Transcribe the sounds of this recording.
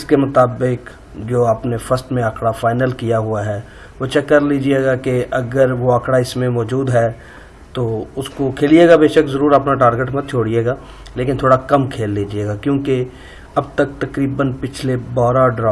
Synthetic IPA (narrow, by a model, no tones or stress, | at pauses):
ɪskemʊt̪aːbɪk | d͡ʒoːapnefəsʈmẽaːkɽafaːɪnəlkijaɦʊaɦɛː | ʋot͡ʃəkːəɾliːd͡ʒieːɡakeɐɡəɾʋoaːkɽaɪsmẽmɔːd͡ʒuːd̪ɦɛː | t̪oːʊskokʰeːlieːɡabeːʃəkzəɾuːɾəpnaʈaːɾɡeʈmẽt̪t͡ʃʰoːɽieːɡaː | leːkɪnt̪ʰoːɽakɐmkʰeːlːiːd͡ʒieːɡakjõːke | ɐb̚t̪ək̚t̪ɐkɾiːbənpɪt͡ʃʰlebɔːɾaɖɾaː